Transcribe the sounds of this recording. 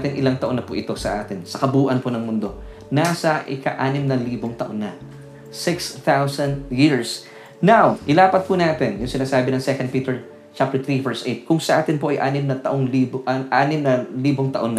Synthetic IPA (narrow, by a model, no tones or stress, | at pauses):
t̪ɪnʔɪlaŋt̪ɐʔonːɐpʊʔɪt̪o̞sɐʔaːt̪ɪnsɐkɐbuːʔɐnponɐŋmʊnd̪o̞ | naːsɐʔɪkɐ̰ʔaːnɪmnɐliːboŋt̪ɐʔo̞̰nːɐ | sɪkst̪awsɐnd̪jiɹs | nawʔɪlaːpɐt̪̚punaːt̪ɛnjʊŋsɪnaːsaːbɪnɐŋsɛkɐn̚piːt̪ɛɹ | t͡ʃap̚t̪ɛt̪ɾivɛɹsʔejt̪̚kʊŋsɐʔaːt̪ɪnpoʔɐjʔaːnɪmnɐt̪ɐʔoŋliːʔaːnɪmnɐliːboŋt̪ɐʔo̞nːɐ